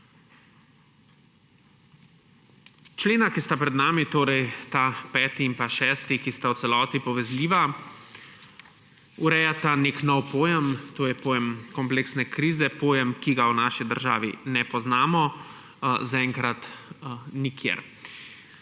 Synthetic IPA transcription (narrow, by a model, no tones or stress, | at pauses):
t͡ʃleːnakist̪apɾɛd̪naːmit̪oːɾɛjt̪apɛːt̪iimpaʃɛːst̪ikist̪awt̪sɛlɔːt̪ipɔʋɛzliːʋa | uɾɛːjat̪aneknɔwpoːjɛmt̪oːjɛpoːjɛmkɔmpleːksnɛkɾiːzɛpoːjɛmkiɡawnaːʃid̪əɾʒaːʋḭnɛpɔznaːmɔ | zaɛːŋkɾat̪ | nikʰjḛɾ